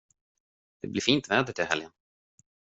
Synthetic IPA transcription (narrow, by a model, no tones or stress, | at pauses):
d̪̥ɛ̰blɪfiːnt̪vɛːd̪əʈʰɪɦɛljən